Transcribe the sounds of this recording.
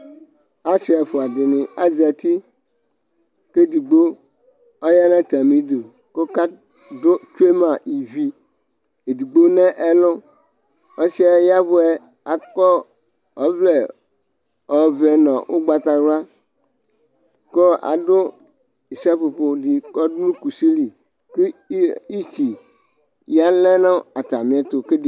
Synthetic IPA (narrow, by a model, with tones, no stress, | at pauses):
a˦si˨a˨fo˨a˨dɪ˨nɪ̃˨a˦zi˨a˨t̪i˦ | ke˦di˨ɡ͡bo˦ | ɔ˦ja˦nã˦t̪a˨mĩ˨do˨ | ko˦ka˦ | do˦t͡ʃu˦e˦mã˨i˨vi˨ | e˨di˨ɡ͡bo˦nɛ̃˦ʔɛ˦lʊ˦ | ɔ˦si˦a˦ja˦βʊ˦ɛ˦ | a˨kɔ˦ | ɔ˨vle˨ | ɔ˨vɛ˨nɔ̃˨wʔo˦ɡ͡ba˨t̪a˨ɾa˦ | ko˦a̰˨ɖʊ˦ | i˨sa˦ɸo˨po˨di˨kɔ˦dlu˦ku˨si˦li˨ | ke˦i˦t͡ʃi˨ | ja˦lɛ̃˦nã˦a˨t̪a˨mĩ˨a˦t̪o˨ke˦di˨